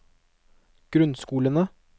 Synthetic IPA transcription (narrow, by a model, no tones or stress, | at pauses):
ɡ̥ɾʉnskuːlənə